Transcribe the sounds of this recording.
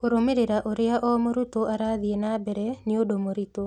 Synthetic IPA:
oɾomeɾeɾaʔoɾɪaʔɔmoɾut̪oʔaɾaðijenabeɾenɪodomoɾit̪o

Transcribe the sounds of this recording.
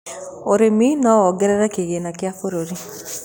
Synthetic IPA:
oɾeminɔwɔɡɛɾɛɾɛkeɣenakɪafoɾoɾi

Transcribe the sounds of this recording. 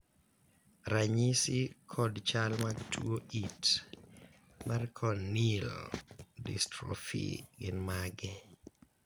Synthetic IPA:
ɾaɲisɪkʰɔdt͡ʃalmaɡtʰuoʔit | markʰɔnːil | dɪ̰stɾɔ̰fḭɡɪnmaɡɛ

